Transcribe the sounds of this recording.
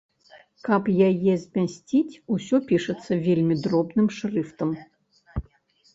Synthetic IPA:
kapjajezʲmʲasʲtʲitʲusʲɔpʲiʂɨt̪sːɐvʲelʲmʲid̪rɔbnɨmʂrɨft̪əm

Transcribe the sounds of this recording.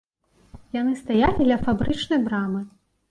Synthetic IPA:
janɨst̪ajalʲid̪lʲɐfabɾɨt͡ʂnɐjbɾamɨ

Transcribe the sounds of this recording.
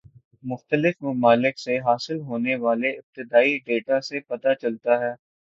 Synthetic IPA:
mʊxt̪əlɪfmɐmaːlɪkseɦaːsɪlɦoːneʋaːleɪb̚t̪ɪd̪aːiɖeːʈasepɐt̪at͡ʃɐlt̪aɦɛː

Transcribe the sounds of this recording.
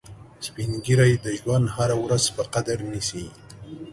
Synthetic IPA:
spinɡiɾajd̪əʒwand̪haɾawɾazpəqad̪aɾnisi

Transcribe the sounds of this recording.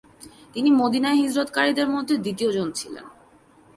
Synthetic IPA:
t̪inimod̪inaeɦid͡ʑɾot̪kaɾid̪eɾmod̪ʱːed̪it̪iod͡ʑont͡ɕʰilḛn

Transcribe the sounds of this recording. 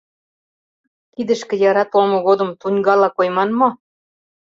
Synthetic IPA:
kid̪ə̆ʃkĕjɑɾɑt̪omŏɣod̪ɤ̆mt̪unʲɡɑlɑkojmɑnmo

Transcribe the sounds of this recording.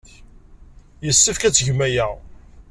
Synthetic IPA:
jəsːəfkæt͡sːʝmæjæ

